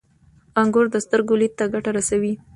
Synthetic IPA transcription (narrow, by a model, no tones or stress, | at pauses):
aŋɡoɾd̪əst̪əɾɡolit̪̚t̪ːaɡaʈaɾasawi